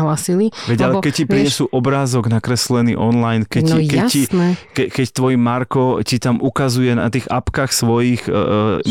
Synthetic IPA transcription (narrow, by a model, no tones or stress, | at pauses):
ɦlaːsiliʋɛɟalɛkɛc̚cipɾiɲɛsuːʔɔbɾaːzɔɡnakɾɛslɛnḭːʔɔnlajnkɛikɛcinɛkɛkɛct̪ʋɔjimaɾkɔcit̪amʔukazujɛna̰t̪iːɣa̰pkaxsʋɔjix